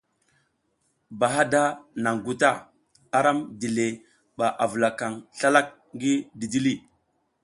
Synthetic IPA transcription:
ba˨ɦa˦da˦na˨ŋɡu˨ta˦ | a˦ɾa˦mdi˨le˨ | ɓa˨ʔa˨və˨la˨ka˨ŋɬa˦la˦k̚ | ŋɡi˦di˨di˦li˦˨

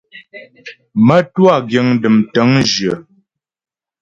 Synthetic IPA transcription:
mə˦twa˦˨ɡjə˨˦ŋdɨ˨mtə˨˦ŋd͡ʒə˨

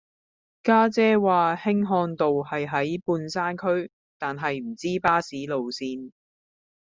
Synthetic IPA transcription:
kaː˥t͡sɛː˥waː˨hɪ˥ŋɦɔː˧nt̪o˨whɐ˨jɦɐ˨˥jpuː˧nsaː˥nkʰɵ˥ɥ | t̪aː˨nɦɐ˨jm̩˨˩t͡siː˥paː˥siː˨˥lo˨wsiː˧n

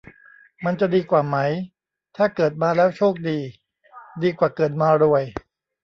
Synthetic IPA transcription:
ma˧nt͡ɕa˨diː˧kwaː˨˩ma˦˥j | t̪ʰaː˥˩kɤː˨˩t̪̚maː˧lɛː˦˥wt͡ɕʰoː˥˩k̚diː˧ | diː˧kwaː˨˩kɤː˨˩t̪̚maː˧ɾu˧˩əj

